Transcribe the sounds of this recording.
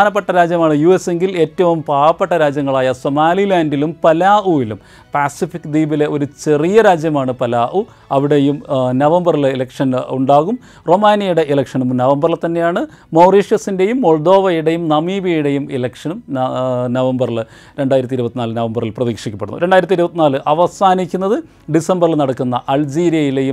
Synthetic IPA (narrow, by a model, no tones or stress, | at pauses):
aːnɐp̬ːeʈːɐɾaːd͡ʑjɐmaːɳɨjuːe̞se̞ŋɡile̞ːtːɐʋumpaːʋɐpːe̞ʈːɐɾaːd͡ʑjɐŋːɐɭaːjɐso̞maːlilaːndilumpɐlaːʔuilum | paːsifikːd̪iːbile̞o̞ɾut͡ɕe̞rijɐɾaːd͡ʑjɐmaːɳɨpɐlaːʔu | ɐʋiɽe̞jumnɐʋɐmbɐrililɐkʂɐnuɳɖaːɣum | ro̞maːnijɐjuɽe̞ʔilɐkʂɐnumnɐʋɐmbɐrlt̪ːɐnːe̞jaːɳɨ | moːriːʂjɐsinde̞jumːo̞ɭd̪o̞ːʋɐjuɽe̞jumnɐmiːbijuɽe̞jumilɐkʂɐnumnɐʋɐmbɐrlɨ | ɾe̞ɳɖaːjiɾɐt̪̬ːiɾubɐt̪ːinaːlɨnɐʋɐmbɐrilprɐðiːkʂikʲːɐpːeɽunːṵɾeɳɖaːiɾɐt̪ːiɾubɐt̪ːinaːlɨʔɐʋɐsaːnikʲːunːɐðɨ | ɖisembɐrilnɐɽɐkːunːɐʔɐld͡ʑiːɾijɐjile̞jum